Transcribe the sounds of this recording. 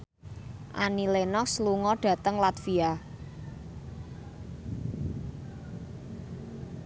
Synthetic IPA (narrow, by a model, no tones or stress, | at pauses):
ʔanilenɔksluŋɔɖ̥ä̤t̪əŋlat̪fia